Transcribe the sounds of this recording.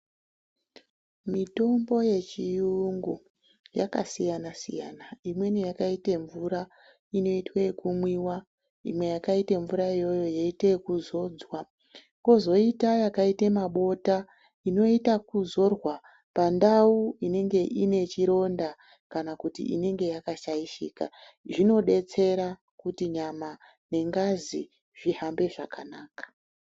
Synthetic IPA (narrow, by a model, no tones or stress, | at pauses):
mito̞mbo̞je̞t͡ʃijuŋɡu | ja̰ka̰sijanasḭjanaimwe̞nijakaite̞ɱvuɾa | ino̞itwekumwiwa | ḭmwe̞jakaite̞ɱvuɾaijo̞jo̞jeite̞kuzo̞ːd͡zwa | ko̞zo̞itajakaitemaɓo̞ta | ino̞itakuzo̞rwa | pandauine̞ŋɡe̞ʔine̞t͡ʃiɾo̞nda | kanakutḭʔḭne̞ŋɡe̞jakaʃaiʃiːka̰ | ʐino̞ɗe̞t͡se̞ɾa | kutiɲama | ne̞ŋɡazi | ʐ̥iɦambe̞ʐakanaːkḁ